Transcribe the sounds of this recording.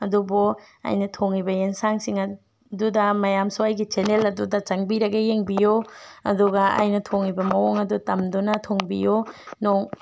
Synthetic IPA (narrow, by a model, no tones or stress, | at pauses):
ɐdubu | a̰jnɐtʰoŋibɐjensaŋsiŋɐ | dudɐmɐjamsuajɡit͡ʃenelɐdudɐt͡ʃɐŋbiɾɐɡɐjeŋbijoɐ̰duɡɐa̰jnɐtʰoŋibɐmɐwoŋɐdutɐmdunɐtʰoŋbijonoŋ